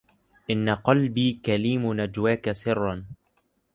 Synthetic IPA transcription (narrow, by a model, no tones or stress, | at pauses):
ʔɪnːaqɑlbiːkaliːmnad͡ʒwaːkasɪrˤːɑn